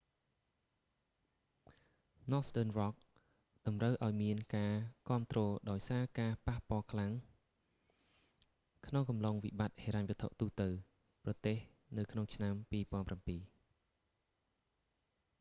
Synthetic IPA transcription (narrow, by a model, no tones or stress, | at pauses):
nɔstəːnʋɑk̚ | ɗɑmrəwʔaɔjmiənkaːkŏəmt̪rɔːɗaɔjsaːkaːpahpŏəlkʰlaŋ | kʰnoŋkɑmloŋʋḭɓat̪̚heːɾaɲʋət̪ʰːoʔt̪uːht̪ɨw | prɑt̪eːh | nɨwkʰnoŋt͡ɕʰnampiːpŏənprampiː